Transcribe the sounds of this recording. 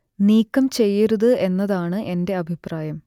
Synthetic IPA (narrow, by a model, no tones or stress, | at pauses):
niːkːɐmt͡ɕe̞jːiɾuðɨe̞nːɐðaːɳɨʔe̞nde̞ɐbʱipraːjɐm